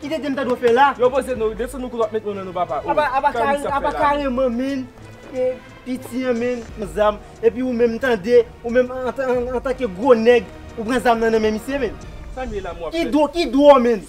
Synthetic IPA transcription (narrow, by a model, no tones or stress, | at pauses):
kid̪ẽdem̩t̪ãd̪ofɛlajopozenudesɔnũkutwap̚mɛt̪̚mõnãnũpapaapaapakaapakaɣemɐ̃mɛ̃n | ke | pitiãmɛ̃nm̩zam | ep̬iumɛ̃mn̩t̪ɐ̃d̪e | umɛ̃m̃t̪ːt̪ãkeɡʁonɛɡ | upɣãzamnãnɐ̃mɛ̃misjemɛ̃nsamelamuakid̪okid̪woɔmɛ̃n